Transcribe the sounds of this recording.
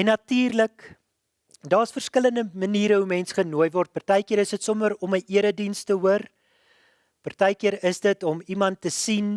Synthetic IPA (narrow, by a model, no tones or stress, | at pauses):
ɛnːɐtiːrlək | dɑːsfərskələndəməniːɾəɦumɛnsχənuəjvɔrt̚pərtəjkiəɾəsdətsɔməɾɔməʔiəɾədinstəuər | pərtəjkiəɾəsdətɔmimɐntːəsin